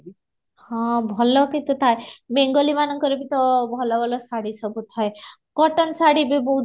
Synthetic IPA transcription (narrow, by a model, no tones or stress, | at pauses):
hɔ̃bʱɔlɔkit̪ut̪ʰaemeŋɡɔlimanɔŋkɔɾebit̪ɔbʱɔlɔbʱɔlɔsaɽisɔbut̪ʰːɔjkɔʈɔnsaɽibibɔɦu